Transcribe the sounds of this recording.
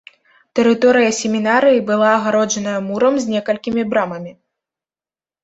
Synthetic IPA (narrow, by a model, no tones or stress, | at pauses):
t̪ɛɾɨt̪ɔɾɨjɐsʲɛmʲinaɾɨjibɨlˠaːɣaɾɔd͡ʒɐnɐjɐmuɾɐmzʲnʲɛkɐlʲkʲimʲibɾamɐmʲi